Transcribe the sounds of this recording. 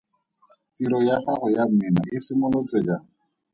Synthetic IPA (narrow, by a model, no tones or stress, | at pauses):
tiɾɔjaχaχʊjam̩mɪnaʔɪsɪmʊlɔt͡sed͡ʒa